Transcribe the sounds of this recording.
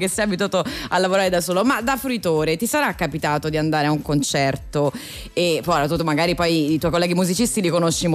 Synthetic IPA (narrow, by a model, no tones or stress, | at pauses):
kesːɛjabit̪̬uaːt̪oalːavoɾaːɾed̪asoːlomad̪afɾuit̪oːɾet̪isaɾakːapit̪aːt̪od̪iand̪aːɾeauŋkont͡ʃɛrt̪o | epɔɾat̪ut̪ːomaɡaːɾipɔjit̪wɔjkolːɛɡimuzit͡ʃist̪ilikonoʃːim